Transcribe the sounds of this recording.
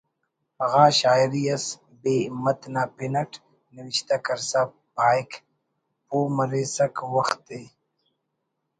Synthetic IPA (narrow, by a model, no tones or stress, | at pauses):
ɐɣaːɕaːjɾiɐs | beːmɐt̪naːpinɐʈ | niwiɕt̪akɐɾsa | baːjk | poːmɐɾeːsɐkwɐxt̪ːeː